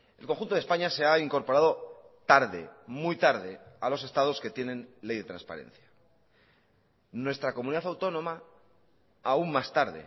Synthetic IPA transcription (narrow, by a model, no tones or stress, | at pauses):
e̞lko̞ŋxunt̪oðe̞spaɲase̞aiŋko̞ɾpo̞ɾaðo̞ | t̪aɾðe̞̰mujt̪aɾðe̞alo̞se̞st̪að̞o̞ske̞t̪jenẽ̞nle̞jðe̞t̪ɾa̰nspa̰ɾe̞̰n̟θjḁ | nwe̞st̪ɾako̞muniðaθawt̪o̞nõ̞ma | auŋmast̪aɾðe̞̰